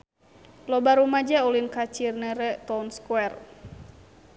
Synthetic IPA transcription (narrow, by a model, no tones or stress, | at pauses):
lɔbaɾumad͡ʒaulinkat͡ʃirnɛɾɛt̪ɔnskwɛr